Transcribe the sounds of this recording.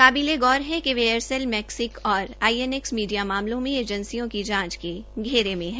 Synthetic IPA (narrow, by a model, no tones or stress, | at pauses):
kaːbileɡɔːɾɦɛ̃keʋeəɾsɛlmɛːksɪkɔːɾaːiɛnɛksmiːɖijamaːmlõmẽeːd͡ʒə̃nsijõkid͡ʒãːt͡ʃkeɡʱeːɾemẽɦɛ̃